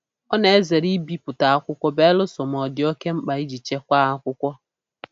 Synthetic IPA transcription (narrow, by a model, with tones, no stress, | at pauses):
ɔ˦ne˨e˦ze˨ɾi˦bi˦pʊ˨ta˨a˦kʷʊ˦kʷɔ˦be˦lʊ˦sɔ˨m˨ɔ˨dɪ˨˦o˦ke˦ŋ͡m̩˦k͡pa˨i˦d͡ʒi˨t͡ʃe˦kʷa˦a˦kʷʊ˦kʷɔ˦